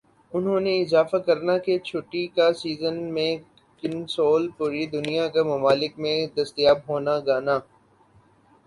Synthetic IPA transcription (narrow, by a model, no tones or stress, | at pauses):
ʊnɦõːneɪzaːfakɐɾnaket͡ʃʰʊʈːikasiːzənmẽ | kɪnsoːlpuːɾid̪ʊnijakamɐmaːlɪkmẽd̪ɐst̪ijaːbɦoːnaɡaːnaː